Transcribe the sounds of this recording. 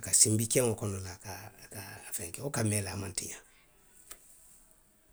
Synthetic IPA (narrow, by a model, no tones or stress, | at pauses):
kasĩmbikɛ̃ŋokɔnɔlakakafɛ̃ŋkɛokamɛlaːmãntḭja